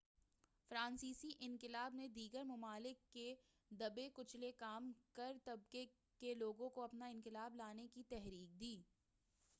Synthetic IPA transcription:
fɾãːnsiːsiʔɪ̃nkɪlaːbned̪iːɡəɾmɐmaːlɪkːe | d̪ɐbekʊt͡ʃʰlekaːmkɐɾt̪ɐb̚ke | keloːɡõkoɐpnaɪ̃nkɪlaːblaːnekit̪ɛɦɾiːk̚d̪iː

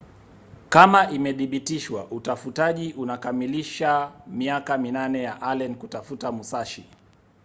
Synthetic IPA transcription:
kamaʔimɛθiɓitiʃwa̰ʔutafutaʄiʔunakamiliʃamiakaminanɛjaʔalɛnkutafutamusaʃi

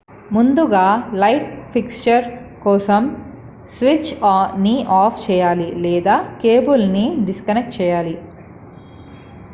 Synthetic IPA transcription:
mund̪uɡaːlɐjʈpʰikst͡ʃɐɾkɔːsɐm | sʋit͡ʃːniaːpʰt͡ʃɛːjaːlilɛːd̪aːkeːbulniɖiskɐnek̚ʈ̚t͡ʃɛːjaːli

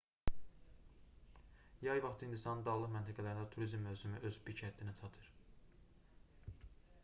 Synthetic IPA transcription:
jɑjvɑχt̪ʰhind̪isɑnnd̪ɑːlˠɯχmænt̪ʰæɡælæɾind̪æt̪ʰuɾizmːøvsymyʔøzbicʰæt̪ʰːinæt͡ʃʰɑt̪ʰɯɾ

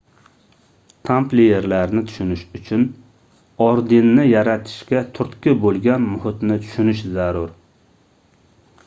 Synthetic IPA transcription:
t̪ʰamplijeɾlaɾnɪt̪ʰʊ̥ʃʊnɪʃʊt͡ʃʰʊn | ɒɾd̪ɪnːɪjaɾat̪ʰɪ̥ʃkʲat̪ʰʊɾt̪kʲɪbolˠɡʲanmʊhɪt̪nɪt̪ʰʊ̥ʃʊnɪʃzaɾʊɾ

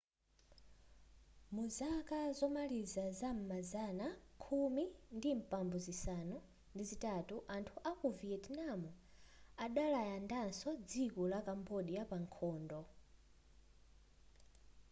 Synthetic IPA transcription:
muzakazɔmalizazam̩mazanakʰumindim̩pambuzisanɔ | ndizitatuʔantʰuʔakɔviɛdnamuaɗalajandansɔd͡zikɔlakambɔɗijapaŋkʰɔːndɔ

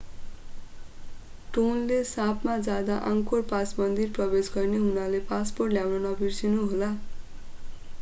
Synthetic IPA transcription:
ʈonlesãpmad͡zad̪aʔãŋkorpasmʌnd̪irprʌbesɡʌrneɦunalepasporʈljawnʌnʌbirsinuɦola

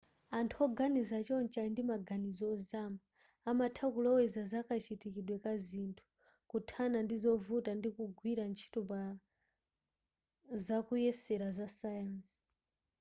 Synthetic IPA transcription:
antʰuɔɡanizat͡ʃɔnt͡ʃandimaɡanizɔɔzaːmaː | matʰakulɔwɛzazakʰat͡ʃʰitikiɗwɛkazintʰu̥ | kutʰanandizɔvutandikuɡwiɾant͡ʃʰi̥tuba | zakujɛsɛɾazasajansi̥

